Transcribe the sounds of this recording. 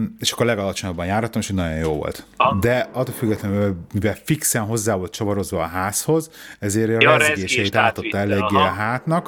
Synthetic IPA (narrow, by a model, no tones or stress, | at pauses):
eːʃɒkːorlɛɡɒlɒt͡ʃo̞ɲɒbːɒnjaːrhɒt̪ːomeʃinɒɟo̞njoːvo̰lt̪d̪ɛɒt̪ːolfyɡːɛt̪lɛnmivɛlfiksɛnɦo̞zːaːvo̞lt̪t͡ʃɒvɒɾo̞zʋɒːɦaːsho̞zɛzeːɾɛɾzɡeːʃɛjit̪aːt̪o̞t̪ːɒɛleːɡːeːɦaːt̪nɒk